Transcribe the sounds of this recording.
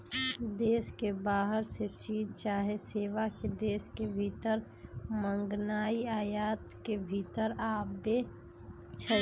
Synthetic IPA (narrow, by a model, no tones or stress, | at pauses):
d̪eːskebaːɦəɾset͡ʃiːd͡ʒt͡ʃaːɦeseːʋaked̪eːskebʱiːt̪əɾ | mə̃ŋɡnaːiaːjaːt̪kebʱiːt̪əɾaːbe | t͡ʃʰə